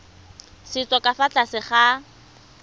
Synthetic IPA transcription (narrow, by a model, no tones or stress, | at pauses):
sɪt͡sʼɔkʼafat͡ɬʼasɪχa